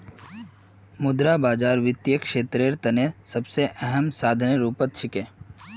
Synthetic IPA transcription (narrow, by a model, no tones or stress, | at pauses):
mʊd̪ɾabaːd͡ʒaːɾʋɪt̪jəkʃeːt̪ɾeɾt̪ɐnesɐbseʔɛɦəmsaːd̪ʱəneɾuːpət̪̚t͡ʃʰɪkẽː